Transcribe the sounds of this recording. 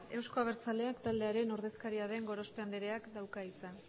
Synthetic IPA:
e̞wsko̞aβ̞e̞ɾt͡sale̞akt̪ald̪e̞aɾe̞no̞ɾðe̞skaɾiaðe̞ŋɡo̞ɾo̞speand̪eɾe̞akd̪awkait͡san

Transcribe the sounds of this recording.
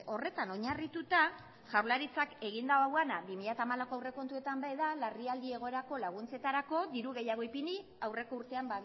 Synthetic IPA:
o̞re̞t̪ano̞ɲarit̪ut̪a | ʝawɾlaɾit͡sake̞ɣ̞ind̪aoawanabimiʎat̪amalako̞awre̞ko̞nt̪uet̪ambajðalariald̪ie̞ɣ̞o̞e̞ɾako̞laɣ̞unt͡se̞t̪aɾako̞ðiɾuɣe̞jaɣo̞ipini | awre̞kouɾt̪e̞amba

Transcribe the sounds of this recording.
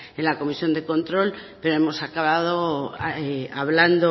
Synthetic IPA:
enlako̞misjo̞nd̪e̞ko̞nt̪ɾo̞lpe̞ɾoe̞mo̞sakaβað̞o̞eaβland̪o

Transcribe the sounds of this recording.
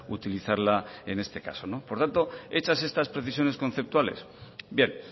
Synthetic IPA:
ut̪iliθaɾlae̞ne̞st̪e̞ka̰so̞no̞po̞ɾt̪ant̪o̞e̞t͡ʃase̞st̪aspɾe̞θisjo̞ne̞sko̞n̟θe̞p̚t̪wale̞̰s | bje̞n

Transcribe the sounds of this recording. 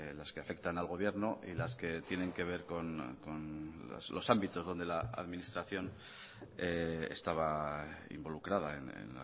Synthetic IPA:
laske̞afe̞kt̪analɣo̞βje̞ɾnoʔilaske̞t̪je̞ne̞ŋke̞β̞e̞ɾko̞nkona̰slo̞sambit̪o̞zðo̞nd̪e̞laa̰ðminist̪ɾaθjo̞n | eḛst̪aβaḭmbo̞lukɾað̞aḛnḛna̰

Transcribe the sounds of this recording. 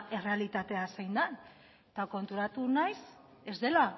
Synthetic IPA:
e̞re̞alit̪at̪e̞asejnd̪an | t̪ako̞nt̪uɾat̪unajs | e̞zðe̞la

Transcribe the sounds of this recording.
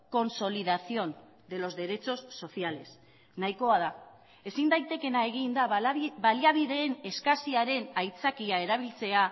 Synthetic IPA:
ko̞nso̞lið̞asio̞n | d̪e̞lo̞zðe̞ɾe̞t͡ʃo̞sːo̞θiale̞s | najko̞að̞a | e̞sind̪ajt̪e̞ke̞nae̞ɣind̪aβaliaβiðe̞ːne̞skasiaɾe̞najt͡sakiae̞ɾaβ̞ilt͡se̞a

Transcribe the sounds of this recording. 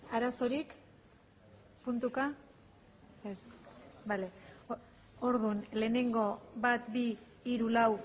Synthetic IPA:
aɾaso̞ɾik | punt̪uka | esbale̞ | oɾðunle̞ːne̞ŋɡo̞βat̪biː | ɾulaw

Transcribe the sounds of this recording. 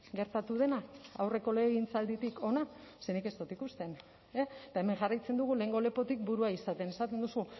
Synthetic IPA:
ɡe̞ɾt̪at̪uð̞e̞naa̰wre̞ko̞le̞ɣint͡sald̪it̪iko̞nase̞nike̞st̪ot̪ikust̪e̞n | et̪ae̞me̞ŋʝarajt͡se̞nd̪uɣ̞ule̞ːŋɡo̞le̞po̞t̪ik̚buɾuaisat̪e̞ne̞sat̪e̞nd̪usu

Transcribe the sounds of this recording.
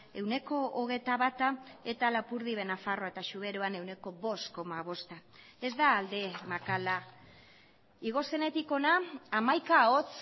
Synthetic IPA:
e̞wne̞ko̞oɣ̞e̞jt̪aβat̪ae̞t̪alapuɾðiβe̞nafaro̞ae̞t̪aʃuβ̞e̞ɾoane̞wne̞ko̞βo̞st̪ko̞maβ̞o̞st̪a | e̞zd̪aːld̪e̞makala | iɣ̞o̞se̞ne̞t̪iko̞naːmajkaot͡s

